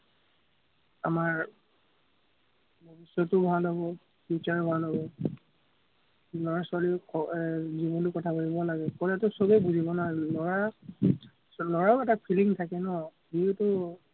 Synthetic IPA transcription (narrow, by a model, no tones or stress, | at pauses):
a̰maɹ | bʱɔbisɔtʊbʱalɦɔbɔ | put͡ʃaɹbʱalɦɔbɔ | lɔɹasʊalikɔzibɔnlukɔtʰabaɹibɔlaɡɛkɔlɛtʊsobɛbuzibɔnaɹɛlɔɹa | lɔɹaʊɛtapʰiliŋtʰakɛnɔbitʊ